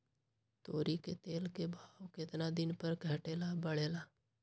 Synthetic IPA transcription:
t̪oːɾiket̪eːlkebʱaːwkɪt̪nad̪ɪnpəɾkʰəʈeːlabəɽeːlaː

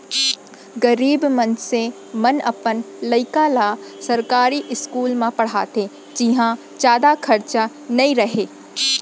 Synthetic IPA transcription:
ɡɐɾiːbmɐnse | mɐnʔɐ̰pən | lɐɪkalasɐɾkaːɾiʔɪskuːlmãpɐɽ̤a̰ːt̪ʰe | d͡ʒɪɦã | t͡ʃaːd̪akʰɐɾt͡ʃa | nɐĩɾɐɦeː

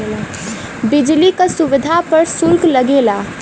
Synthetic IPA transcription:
bid͡ʒlikəsuʋid̪ʱapəɾsulkləɡela

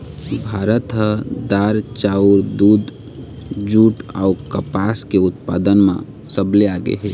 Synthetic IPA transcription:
bʱaɾət̪ɦəd̪aɾt͡ʃauɾd̪ud̪ | d͡ʒuːʈaukəpaskeut̪pa̰d̪ənmḛ̃ | səbleaɡḛɦe

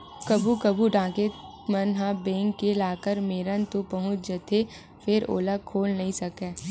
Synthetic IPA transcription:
kɐbukɐbuɖãːke | mɐnɦãbẽːŋkːelaːkəɾmeːɾənt̪opɐɦʊ̃t͡ʃd͡ʒət̪ʰe | fʰɪɾo̰ːləkʰoːlnɐɦĩsɐkeː

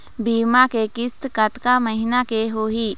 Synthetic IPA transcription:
biːmakekɪst̪kɐt̪kaməɦɪnakeɦoɦiː

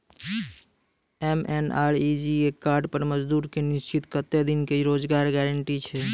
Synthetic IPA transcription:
ɛmenaɾid͡ʒiekaɾɖpəɾməd͡ʒd̪uːɾkenist͡ʃit̪kət̪ed̪inkeiɾod͡ʒɡaɾɡɛɾəɳʈit͡ʃʰɛ

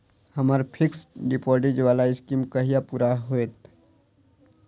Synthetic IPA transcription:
hɐmaɾpʰɪksɖɪpɔːɾɖed͡ʒʋaːlaɪskimkɐɦijapuːɾaɦoeːt̪

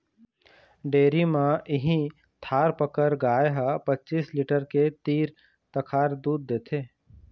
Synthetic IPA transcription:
ɖeːɾimãʔɪɦĩ | t̪ʰaːɾpəkəɾɡaːjeɦapɐtːt͡ʃiːslɪʈəɾket̪iːɾ | t̪ɐkʰaːɾd̪uːd̪ːeːt̪ʰeː

